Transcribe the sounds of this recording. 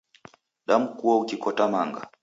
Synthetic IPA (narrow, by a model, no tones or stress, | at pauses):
ɗam̩kuwaukikɔtamaŋɡa̰